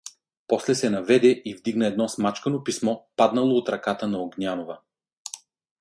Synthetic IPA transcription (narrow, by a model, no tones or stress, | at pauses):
pɔslɛsɛnɐvɛd̪ɛʔivd̪iɡnɐɛd̪nɔsmat͡ʃkənopismɔpad̪nɐlˠoːt̪ɾɐkat̪ənɐoɡnʲanovə